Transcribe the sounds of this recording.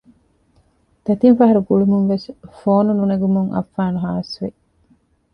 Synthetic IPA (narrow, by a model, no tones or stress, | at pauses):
t̪ɐt̪infɐɦɐɾuɡuɭumuŋʋesfoːnununɐɡumuŋʔɐ̰fːaːnuɦaːɐsʋe